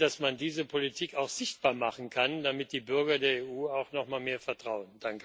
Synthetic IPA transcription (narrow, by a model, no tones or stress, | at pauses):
d̥asmandiːzəpʰolitʰiːkaʊxz̥ɪçt̚b̥aːɐmaχn̩kʰand̥amɪt̚d̥iːbʏɐɡɐdeːɐeːʔuːaʊxnɔχmaːlmeːɐfɛɐtʁ̥aʊənd̥aŋkə